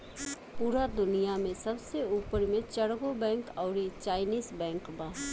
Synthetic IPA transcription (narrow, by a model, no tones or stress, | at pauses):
puːɾad̪ʊnijamẽsɐbseuːpəɾmẽt͡ʃəɽɡobɛ̃ːŋkɔːɾit͡ʃaːɪniːzbɛ̃ːŋkbaː